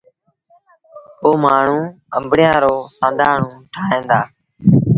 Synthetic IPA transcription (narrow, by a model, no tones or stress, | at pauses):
ɦoːmaːɳ̤ũː | ə̰mbɽɪjãːɾoːsãːnd̪ʱaːɳ̤ũːʈʰaːẽːnd̪aː